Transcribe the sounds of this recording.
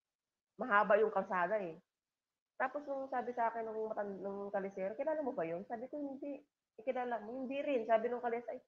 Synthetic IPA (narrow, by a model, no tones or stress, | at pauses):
mɐɦaːbɐjʊŋkɐlsaːd̪ɐɛ | t̪aːpo̞snʊŋsaːbɪsɐʔaːkɪnːʊŋmɐt̪ɐnd̪nʊŋkɐlɪsɛːɾokɪjlaːlɐŋmobɐjo̞nsaːbɪkohɪnd̪iʔ | ɪkɪnaːlaŋmohɪnd̪iɾɪnsaːbɪnʊŋkɐlɛːsaj